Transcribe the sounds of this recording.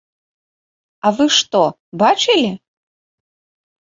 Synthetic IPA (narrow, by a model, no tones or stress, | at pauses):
ɐvɨʂt̪ɔ | bat͡ʂɨlʲi